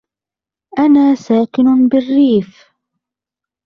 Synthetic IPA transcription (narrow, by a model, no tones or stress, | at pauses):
ʔanaːsaːkɪnʊbɪrːiːf